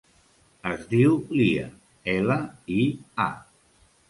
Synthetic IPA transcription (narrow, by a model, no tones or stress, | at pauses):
əzðiwliə̰ | ɛləia̰